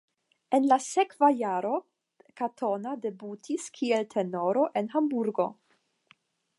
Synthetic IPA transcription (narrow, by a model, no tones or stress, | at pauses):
enlasekvajaɾo̞ | katʰo̞nade̞butʰiskʰieltʰe̞no̞ɾo̞ʔenɦambuɾɡo̞